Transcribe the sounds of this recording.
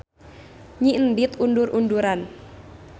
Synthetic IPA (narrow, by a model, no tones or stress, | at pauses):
ɲiʔəndit̪undurʔunduɾan